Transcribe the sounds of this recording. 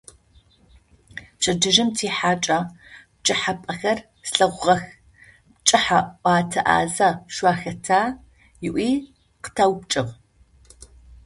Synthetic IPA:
ɕʼɐd͡ʒɨʒɪmtʰiːħaːt͡ʃʼɐp̚t͡ʃʼɪħapʼɐxɐr | sɬɐʁʷʁɐx | t͡ʃʼɨħaʔʷɑːtʰɐʔa̰ːzɐʃʷwaːxɐtʰaː | jɪʔʷiː | qə̥tʰaːwpt͡ʃʼɪʁ

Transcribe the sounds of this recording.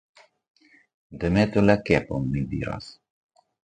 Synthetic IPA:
d̪əmet̪əlɛkepomːid̪ḭɾa̰s

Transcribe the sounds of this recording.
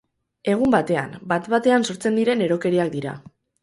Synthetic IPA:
e̞ɣ̞umbat̪e̞a̰mbat̪βat̪e̞anso̞ɾt͡se̞nd̪iɾe̞ne̞ɾo̞ke̞ɾiak̚d̪iɾa̰

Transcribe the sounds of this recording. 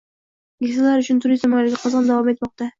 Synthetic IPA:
ɡʲekʲsalaɾʊt͡ʃʰʊnt̪ʰʊɾisamɒjlɪɡʲaqʰɑzɑnd̪avɒme̞t̪mɒq̚t̪a

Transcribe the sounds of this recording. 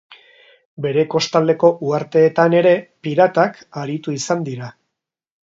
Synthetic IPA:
be̞ɾe̞ko̞st̪ald̪e̞ko̞ʔuaɾt̪e̞ːt̪ane̞ɾe̞piɾat̪ak | aɾit̪uisand̪iɾa

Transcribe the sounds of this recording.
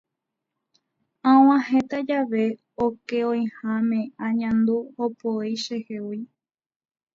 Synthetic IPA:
ãw̃ãɦet̪ad͡ʒaʋe̞ | oke̞õj̃hamẽ̞ãɲãnd̪uopoijʃehewi

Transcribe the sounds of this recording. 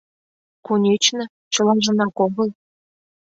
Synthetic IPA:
kunʲet͡ɕnɤ̆ | t͡ɕɤ̆lɑʒɤ̆nɑkoɣɤlˠ

